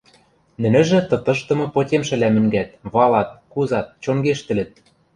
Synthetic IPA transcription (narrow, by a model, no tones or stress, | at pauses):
nɘ̆nɘ̆ʒɘ̆t̪ɤ̆t̪ɤ̆ʃt̪ɤ̆mɤ̆potʲemʃɘ̆læmɘ̆ŋɡæt̪̚βɑlɑt̪̚kuzɑt̪̚t͡ɕoŋɡeʃt̪ɘ̆lɘ̆t̪̚